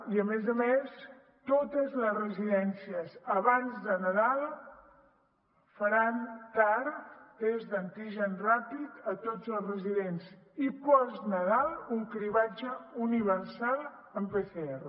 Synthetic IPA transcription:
iəmezəmes | t̪ot̪əzləzrəziðɛnsiəzəβanzðənəðalˠ | fəɾant̪aɾezðənt̪iʒənrapit̪ət̪od͡zəlˠzrəziðenz | ipɔznəðalˠuŋkɾiβad͡ʒəuniβəɾsalˠ | əmpeθeerə

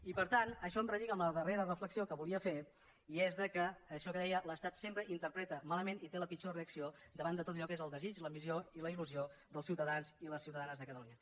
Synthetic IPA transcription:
ipəɾt̪anəʃɔəmrəðikəmləðəreɾərəfləksiokəβuliəfe | iezðəkəːʃɔkəðɛjələst̪at̪sempɾəʔint̪əɾpɾɛt̪əmaləmenit̪eləpit͡ʃoreəksiod̪əβand̪ət̪ot̪əʎɔkezəlˠd̪əzit͡ʃləmizioiləiluziod̪əlˠsiwt̪əðanziləsiwt̪əðanəzðəkət̪əluɲə

